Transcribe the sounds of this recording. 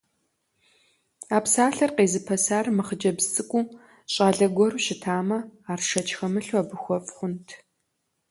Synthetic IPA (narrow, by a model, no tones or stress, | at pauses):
aːpsaːɬɐrqeːzɨpʰɐsaːrmɨχəd͡ʒɐbzt͡sʼɨkʷʼuː | ɕʼaːɮɐɡʷɔruːʃɪtʰaːmɐaːrʂɐt͡ʃʰʼxɐmɨɬwabɨxʷɔfʼχʷʊntʰ